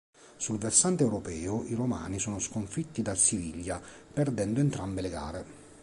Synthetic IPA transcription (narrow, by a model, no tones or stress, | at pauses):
sulversant̪eɛwɾopɛːʊʔiɾoma̰ːnisoːnʊskoɱfit̪ːid̪asiviʎːa | pɛrd̪ɛnd̪ʊent̪ɾambeleɡa̰ːɾɪ